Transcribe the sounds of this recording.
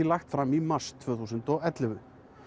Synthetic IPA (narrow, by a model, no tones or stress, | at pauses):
ilaxt̪fɾamimar̥st̪ʰv̥œːθusʏnt̪ɔɣɛt̪lɪvʏ